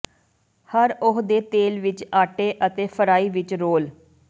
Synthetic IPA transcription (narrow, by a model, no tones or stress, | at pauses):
həɾʊɦd̪eːt̪eːlʋɪt͡ʃaːʈeːʔət̪eːfʰəɾaːiːʋɪt͡ʃɾoːl